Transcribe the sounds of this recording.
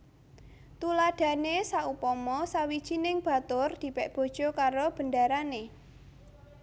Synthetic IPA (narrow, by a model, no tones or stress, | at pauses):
t̪ulad̥ä̤nesaupɔmɔsawid̥ʒ̥inɪŋb̥a̤t̪ʊrd̪̥i̤pɛʔb̥o̤d̥ʒ̥ɔ̤kaɾob̥ə̤ndaɾane